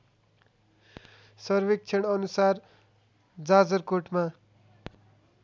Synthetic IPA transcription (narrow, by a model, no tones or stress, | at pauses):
sʌrbek̚t͡sʰeɽ̃ʌnusar | d͡zad͡zʌrkoʈma